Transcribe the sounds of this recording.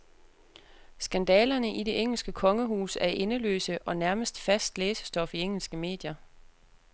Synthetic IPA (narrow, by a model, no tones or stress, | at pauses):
sɡ̥ænd̥ɛːlɐnəʔide̝ʔeŋ̰l̩sɡ̥əkʰɒ̽ŋəɦuːsæɐʔe̝nəlø̰ːsəʔɒ̽næɐməsd̥fæsd̥leːsə̥sd̥ɒ̽fieŋ̰l̩sɡ̥əme̝̰ːd̥jɐ